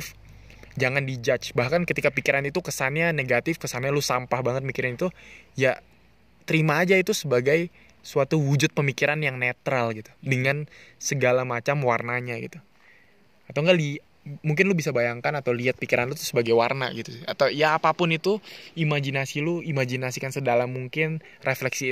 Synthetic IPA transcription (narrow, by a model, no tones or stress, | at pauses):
f | d͡ʒaŋandid͡ʒat͡ʃbahkankət̪ikapikiɾanit̪ukəsanɲaneɡat̪ɪfkəsanɲalosampahbaŋət̪̚mikiɾanit̪ujaʔ | t̪əɾimaːd͡ʒait̪usəbaɡaj | suat̪uwud͡ʒʊt̪̚pəmikiɾanjaŋnet̪ɾalɡit̪u̥dəŋansəɡalamat͡ʃamwarnaɲaɡḭt̪u | at̪awŋɡali | muŋk̬ɪnlʊbisabajaŋkanat̪awliat̪̚pikiɾanlut̪ʊ̥səbaɡajwarna̰ɡit̪ua̰t̪awjaːpapʊnit̪uimad͡ʒinasiluimad͡ʒinasikansədalamːuŋkɪn | reflɛksi